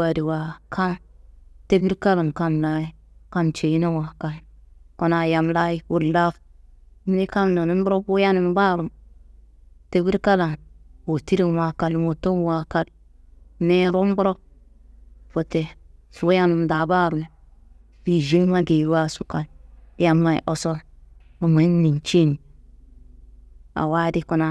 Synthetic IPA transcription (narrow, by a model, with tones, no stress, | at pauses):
a˨di˨wa˨kʰa˦nte˦bi˦ɾka˦la˨nka˦nla˦i˦ka˦nt͡ʃe˨˦na˦wa˨ka˨nko˦˨na˨ja˨mla˦ji˦wu˦ɾla˦fm˦ne˦ka˦mno˨nu˦m˦bu˦ɾo˦bu˦ja˦nɪ˦m˦ba˦ɾu˨m | te˦bi˦ɾka˦la˨no˨ti˦ɾi˦˨wa˨ka˨lmo˨to˦wa˨ka˦l | ne˦ɾo˦m˦bu˦ɾo˦k̚ | fo˨te˨ | fu˦ja˦ni˨mda˨ba˦ɾu˨m˨ | bi˨d͡ʒe˦ma˦ɡe˨ɾwa˦su˦ka˨lja˦mːa˨ḭ˨ʔo˦so˦ | ma˨ma˨˦n˦ni˨nt͡ʃe˦ni˨ | a̰˨wa˦di˦ko˨na˨